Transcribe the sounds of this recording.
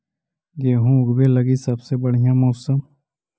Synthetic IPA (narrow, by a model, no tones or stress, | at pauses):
ɡeːɦũʊɡbeːləɡisɐbsebəɽ̤ijãːmoːsəm